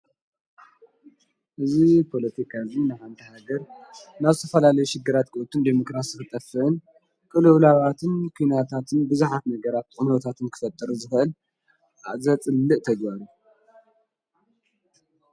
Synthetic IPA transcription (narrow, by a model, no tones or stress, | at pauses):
ʔɨzipʰo̞lɐt̪ʰikʰazinaħant̪ʰɐhaɡɐɾnaβzɨt̪ʰɐfɐlalɐjuʃɪɡɨɾat̪kʰʼɨʔt̪ʰɨnd̪emo̞kɾasi̥xɨt̪ʼːɐfːɨʔɨn | kʼɨlɨwlaβat̪ʰɨnkʰujnat̪ʰat̪ʰɨnbɨzuħat̪nɐɡɐɾat̪̚ʼɨnwot̪ʰat̪ʰɨnkʰɨ̥fɐt̪ʼːɨɾuzɨxɨʔɨl | ʔa̰zɐt͡sʼɨnːɨʔt̪ʰɐɡbaɾu